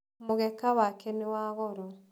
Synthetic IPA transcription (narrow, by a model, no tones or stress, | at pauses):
moɣɛkawakɛnewaɣɔɾɔ